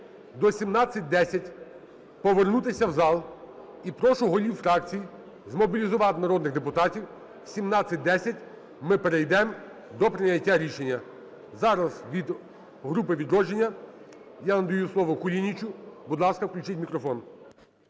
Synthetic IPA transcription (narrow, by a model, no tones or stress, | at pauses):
d̪ɔsʲimnɑt͡sʲːɐt̚ʲd̪ɛsʲɐtʲ | pɔʋernut̪ɪsʲɐwzɑlˠ | ipɾɔʃʊɦɔlʲiwfɾɑkt͡sʲiji | zmɔbʲilʲizʊʋɑt̪nɐɾɔd̪nɪɣd̪epʊt̪ɑtʲiw | sʲimnɑt͡sʲːɐt̚ʲd̪ɛsʲɐtʲ | mɪpeɾejd̪ɛm | d̪ɔpɾɪnʲɐtʲːaɾʲiʃenʲːɐ | zɑɾɐzʋʲid̪ | ɦɾupɪʋʲid̪ɾɔd͡ʒenʲːɐ | janɐd̪ɐjuslˠɔʋɔkʊlʲinʲit͡ʃʊbud̪lˠɑskɐwklʲʊt͡ʃɪtʲmʲikɾɔfɔn